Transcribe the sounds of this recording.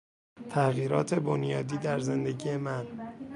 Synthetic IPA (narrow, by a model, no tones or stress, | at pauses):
t̪ʰæɣiːɾɒ̰ːt̪ʰe̞bonjɒːd̪iːd̪æɾze̞nd̪e̞ɟiːjemæn